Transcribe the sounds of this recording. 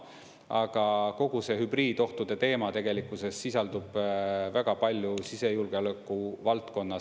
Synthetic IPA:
ɑɡ̥ɑko̞ɡ̥use̞ɦybriːd̪̥o̞ht̪ud̪̥e̞t̪e̞ːmɑt̪e̞ɡ̥e̞likːˑuse̞sːisɑld̪̥ub̥væɡ̥ɑpɑlʲjusise̞julɡ̥elekːˑuvɑlt̪ko̞nːɑ

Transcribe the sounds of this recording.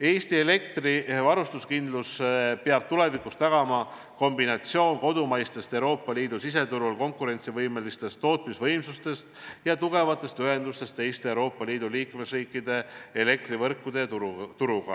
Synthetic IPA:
e̞ːst̪iele̞kt̪rivɑɾust̪uskind̪̥luspeɑb̥̚t̪ule̞vikust̪ɑɡ̥ɑmɑ | ko̞mbinɑt̪sio̞ːnko̞d̪̥umɑjst̪e̞st̪e̞wɾo̞ːpːɑliːd̪̥usise̞t̪uɾulko̞ŋkˑuɾe̞nʲt̪sivɤjme̞list̪e̞st̪ːo̞ːt̪ˑmisvɤ̞jmsust̪e̞st̪jɑt̪uɡ̥e̞vɑt̪ːˑe̞st̪yɦe̞nd̪̥ust̪e̞st̪e̞jst̪eewɾo̞ːpːˑɑliːd̪̥uliːkme̞sriːkːˑid̪̥e̞ele̞k̚t̪rivɤrkːˑud̪̥e̞t̪uɾuɡ̥ɑ̰

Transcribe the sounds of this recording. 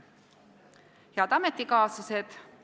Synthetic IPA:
jɑd̪ɑmet̪ːikɑːsused̪̥

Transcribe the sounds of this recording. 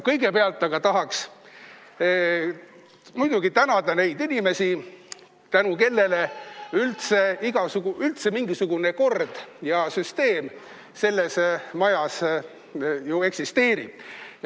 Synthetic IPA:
kɤjɡepeɑlt̪ːˑɑɡ̥ɑt̪ɑɦɑks | mujd̪̥uɡ̥it̪ænɑd̪ɑne̞jd̪inʲime̞si | t̪ænuke̞lːe̞le̞ylt̪se̞iɡ̥ɑsuɡ̥uylt̪se̞miŋɡisuɡ̥une̞ko̞rd̪̥jɑsyst̪e̞ːm | se̞lːe̞smɑjɑs | jue̞ksist̪e̞ːɾḭ̥

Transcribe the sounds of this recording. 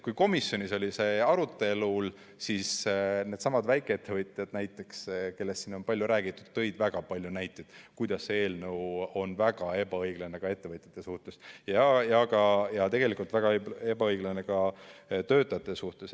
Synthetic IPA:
kujko̞misjo̞nʲiso̞lʲise̞ɑɾut̪ːˑe̞lul | sisne̞d̪̥sɑmɑd̪væjkːˑeet̪ːe̞vɤt̪ʲˑjɑd̪̥næjt̪ːˑe̞kske̞lːe̞st̪siːno̞npɑlʲjuɾæːɡ̥it̪ːˑud̪̥t̪ːɤ̞jd̪̥væɡ̥ɑpɑlʲjunæjt̪ːˑed̪̥kujd̪̥ɑsːe̞ːlnəwo̞nvæɡ̥ɑe̞bɑɤjɡ̥lɑne̞kɑe̞t̪ːe̞vɤt̪ʲˑjɑ̥t̪ːˑesuht̪esjɑjɑɡɑjɑt̪e̞ɡ̥e̞likult̪væɡ̥ɑeeb̥ɑɤjɡlɑne̞kɑt̪ø̞ːt̪ːˑɑjɑt̪ːˑesuht̪es

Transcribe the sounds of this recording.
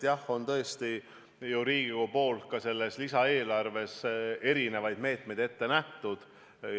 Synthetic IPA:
jɑho̞nt̪ɤ̞est̪i | juɾiːɡ̥iɡupo̞ːlkɑse̞lːeslisɑe̞ːlɑrve̞se̞ɾine̞vɑjd̪̥me̞ːt̪me̞jd̪̥e̞t̪ːe̞næht̪ud̪̥

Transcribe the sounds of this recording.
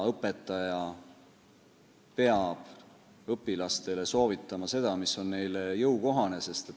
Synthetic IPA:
ɤpːˑe̞t̪ːˑɑjɑ | pe̞ɑb̥ | ɤpːˑilɑst̪e̞le̞so̞ːvit̪ːˑɑmɑse̞d̪̥ɑmiso̞nne̞jlejɤwko̞ɦɑne̞se̞st̪e

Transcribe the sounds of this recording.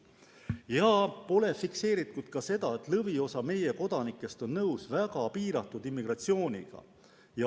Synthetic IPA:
jɑpo̞le̞fikse̞ːɾit̪ˑːud̪̥̚kɑse̞d̪̥ɑe̞t̪ːlɤvio̞sɑme̞je̞ko̞d̪̥ɑnikːˑe̞st̪o̞nːnɤwsvæɡ̥ɑpiːɾɑt̪ːˑud̪imːiɡ̥rɑt̪sio̞ːnʲḭɡ̥ɑ̰ | jɑ

